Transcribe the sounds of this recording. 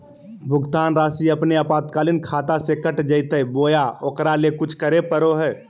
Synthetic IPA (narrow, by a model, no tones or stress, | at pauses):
bʱʊɡt̪aːnɾaːsiɐpneapaːt̪kaːlɪnkʰaːt̪asekəʈd͡ʒəɪt̪əboːjaokɾalekʊt͡ʃʰkəɾepəɾoɦɛː